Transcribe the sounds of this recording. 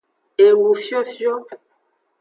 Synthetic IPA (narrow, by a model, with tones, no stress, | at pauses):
e˨lu˨fjɔ˦fjɔ˦